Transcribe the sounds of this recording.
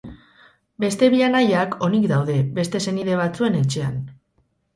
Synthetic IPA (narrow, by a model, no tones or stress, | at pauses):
be̞st̪e̞βiʎanajakʰo̞nikd̪awðe̞be̞st̪e̞se̞niðe̞βat͡sue̞ne̞t͡ʃe̞an